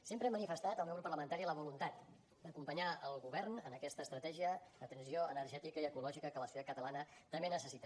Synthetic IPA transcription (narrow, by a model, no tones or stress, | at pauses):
sempɾəemənifəst̪at̪əlˠmewɾəpərləmənt̪aɾiələβulunt̪at̪ | d̪əkumpəɲaəlˠɣuβɛrnənəkɛst̪əːst̪ɾət̪ɛʒiəd̪ət̪ənsioənərʒɛt̪ikəiəkulɔʒikəkələsut̪at̪̚kət̪əlanət̪əmbenəsəsit̪ə